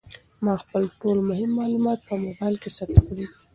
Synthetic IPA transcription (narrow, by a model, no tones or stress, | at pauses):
mɑxpəlʈolmʊhɪmːɑlumɑt̪̚pəmobɑjlkesaɾt̪akɽed̪i